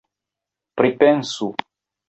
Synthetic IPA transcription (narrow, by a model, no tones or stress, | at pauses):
pɾipɛnsu